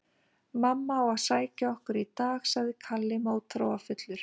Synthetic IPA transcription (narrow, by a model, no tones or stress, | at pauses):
mamːaawaðsaːjcaɔhkʏɾit̪aːxsaðɪkʰalːɪmoːwt̪ʰɾoːwafʏt̪lʏɾ̥